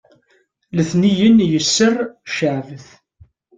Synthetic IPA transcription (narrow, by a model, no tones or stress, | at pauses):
ləθnijənjəsːərˤʃəʕvəθ